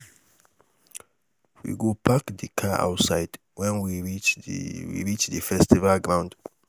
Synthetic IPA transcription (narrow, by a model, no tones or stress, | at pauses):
wḭɡopʰakdikʰaʔa̰ʊtsaɪd | wɛ̃nwiɹit͡ʃwḭɹit͡ʃðəfɛstivalɡɹãw̃nd